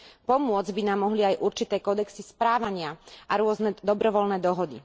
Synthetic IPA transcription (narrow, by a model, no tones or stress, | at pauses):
pɔmʊɔd͡zbinaːmːɔɦliajʔuɾt͡ʃit̪ɛːkɔd̪ɛksispɾaːʋaɲɪaʔaɾʊɔznɛd̪ɔbɾɔʋɔlnɛːd̪ɔɦɔd̪i